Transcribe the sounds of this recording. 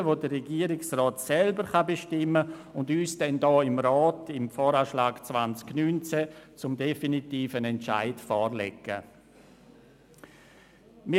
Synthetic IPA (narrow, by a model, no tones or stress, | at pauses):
ʋodərɛɡiːəɾɪksrɔːtsɛlbəɾχabeʃtɪmːəʊndyːsd̥ɛndɔːɪmɾɔːtɪmfɔːɾaːʃlaːɡt͡svant͡sknyːnt͡sɛt͡sʊmdefinitiːfənɛnt͡ʃa̰ɪtfɔːrlɛɡə̰ | mɪ